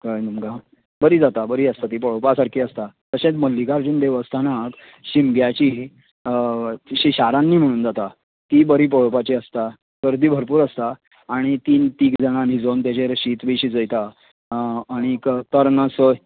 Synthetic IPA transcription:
kəjnumɡa | bəɾiːd͡zat̪abəɾiːəst̪at̪ipəɭopasaɾkʰiːəst̪at̪əɕẽt͡sməlːikaɾd͡ʑuːnd̪eʋəst̪ʰanak | ɕimɡjat͡ɕiː | ɕiɕaɾãnːiːm̤əɽ̃uːnd͡zat̪a | t̪ibəɾiːp̬əɭopat͡ɕiəst̪a | kəɾd̪iːbʱəɾpuːɾəst̪aː | ɽ̃it̪iːnt̪iːkd͡zəɽ̃anɦid͡zont̪jat͡ɕeɾɕiːt̪ʋiɕiːd͡zəjt̪aː | ɽ̃ikt̪əɾnəsə

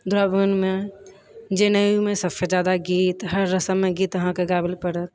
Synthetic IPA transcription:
d̪ʊɾaːbənmẽ | d͡ʒeːnəjumẽsəsed͡ʒaːd̪aɡiːt̪ɦəɾːəsəmːẽɡiːt̪ʋɐɦãkeɡaːbɪlpəɽət̪

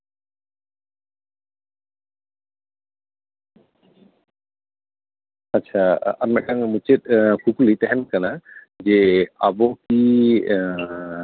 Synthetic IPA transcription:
atːt͡ʃʰaaɾmɛʔ̚kaŋmut͡ʃet̪̚ˀkukulit̪ɛɦɛnkana | d͡ʒɛabɔki

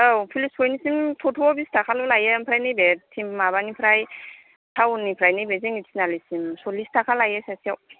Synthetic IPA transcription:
awpʰilisʰojnisimtʰotʰuɔbistʰakʰalolajampʰɾajnɯjbɛtʰimmaβanipʰɾaj | tʰawnipʰɾajnɯjbezeŋitʰsinalisimsolistʰakʰalajasasiaw

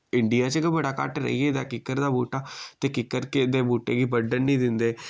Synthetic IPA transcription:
ɪɳɖɪjaːt͡ʃəkəbəɽaːka̰ʈɾə̰iːeːd̪aːkɪkːəɾd̪aːbuːʈaːt̪eːkɪkːəɾked̪eːbuːʈḛːɡiːbəɖənnĩːd̪ɪnd̪eː

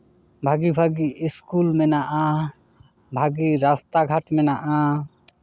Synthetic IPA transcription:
bʱaɡibʱaɡiiskulmɛnaʔa | bʱaɡiɾast̪aɡʱaʈmɛnaʔa

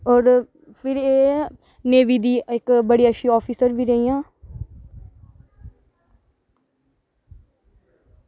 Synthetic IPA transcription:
ɔːɾ | pʰɪɾeː | neːʋiːd̪iːɪkbəɽiːəʃiːɔːpʰiːsəɾbiːɾəijãː

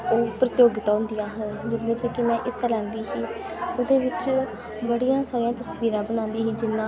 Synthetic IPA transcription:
oːpɾət̪joːɡɪt̪aːɦʊ̃nd̪ijãːɦənd͡ʒɪt̪d̪eːt͡ʃɛːkɪmɛ̃ːʔɪsɛːlãːnd̪iːɦiː | oːd̪eːʋɪt͡ʃ | bəɽijãːsaːɾijãːt̪əsʋiːɾãːbəñãːnd̪iːɦiːd͡ʒɪnːãː

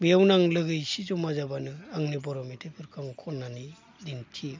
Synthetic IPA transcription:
biawnaŋlɯɡɯjsizɔmazabanɯaŋnibɔɾɔmitʰepʰɯɾkʰamɯkʰɔnːani | dintʰi

